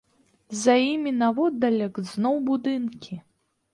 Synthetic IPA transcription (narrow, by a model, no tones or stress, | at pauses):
zɐjimʲinavɔd̪ɐlʲɐkznɔwbud̪ɨnkʲi